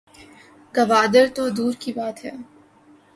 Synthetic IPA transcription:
ɡɐʋaːd̪əɾt̪od̪uːɾkibaːt̪ɦɛ̰ː

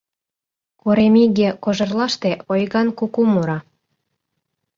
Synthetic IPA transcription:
koɾemiɣekoʒɤ̆rlɑʃt̪eʔojɣɑnkukumuɾɑ

